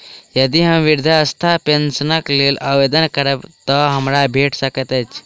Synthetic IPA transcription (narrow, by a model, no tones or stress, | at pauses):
jəd̪iɦəmʋiɾd̪ʱaːst̪ʰapensənəklelʔaʋed̪ənkəɾəbt̪ɔɦəmɾabʱeʈsəkət̪ət͡ʃʰ